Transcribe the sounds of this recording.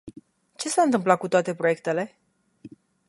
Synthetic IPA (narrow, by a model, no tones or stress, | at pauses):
t͡ʃe̞saɨnt̪ɨmplakut̪oat̪e̞pɾo̞je̞k̚t̪e̞le̞